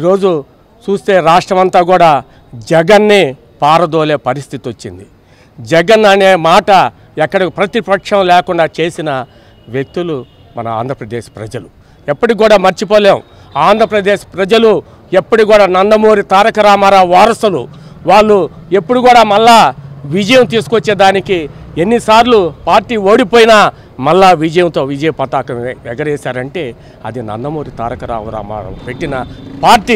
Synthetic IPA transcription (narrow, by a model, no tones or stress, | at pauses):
iːɾo̞ːd͡ʒu | t͡ʃuːst̪e̞ːɾaːʂʈɾɐmɐnt̪aːɡuːɽaː | d͡ʒɛɡɐnːi | paːɾɐd̪oːle̞ːpɐɾist̪ʰit̪iot͡ʃːḭnd̪i | d͡ʒɛɡɐnɐne̞ːmaːʈɐ | ɛkːɐɽipɾɐt̪ipɐkʂɐmlɛːkuɳɖaːt͡ʃe̞ːsinɐ | ʋjek̚t̪ulu | mɐ̰nɐa̰ːnd̪ʱɾɐpɾɐd̪eːʃpɾɐ̰d͡ʒɐlu | ɛpːɐʈikuːɽaːmɐɾt͡ʃipoːleːw | aːnd̪ʱɾɐpɾɐd̪e̞ːʃpɾɐd͡ʒɐlu | ɛpːɐʈikuːɽaːnɐnd̪ɐmo̞ːɾit̪aːɾɐkɐɾaːmɐɾaʋaːɾɐsɐluʋaːɭːue̞pːuɽuɡuːɽaːmɐlːaːʋid͡ʒɐjɐmt̪̬iːsu̥kot͡ʃːeːd̪aːnikienːisaːɾlupaːɾʈiːo̞ːɽipoːjinɐ | mɐlːaːʋid͡ʒɐjɐmt̪o̞ːʋid͡ʒɐjɐpɐt̪aːkɐmɛɡɐɾɛːsaːɾɐɳʈe̞ː | ɐ̰d̪inɐ̰nd̪ɐmo̞ːɾit̪aːɾɐkɐɾa̰ːɾa̰ːma̰ːɾɐ̰mpe̞ʈːinɐpaːɾʈi